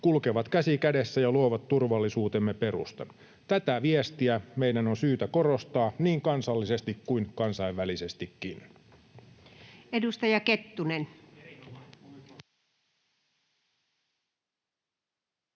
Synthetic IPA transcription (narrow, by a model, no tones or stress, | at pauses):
kulkeʋɑt̪kæsikæde̞sːæjɑluoʋɑt̪t̪ːurʋɑlːisuːt̪emːe̞pe̞ɾṵst̪ɑ̰n | t̪æt̪æʋiest̪iæmeidænonsyːt̪æko̞ro̞st̪ɑːniːŋkɑnsɑlːise̞st̪ikkuinkɑnsɑiʋʋælise̞st̪ikːin | edust̪ɑjɑket̪ːunen